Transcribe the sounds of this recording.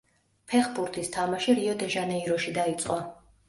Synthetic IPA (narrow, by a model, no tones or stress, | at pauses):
pʰɛχbuɾt̪ʰist̪ʰamaʃiɾiɔd̪ɛʒanɛiɾɔʃid̪ait̪sʼqʼwɔ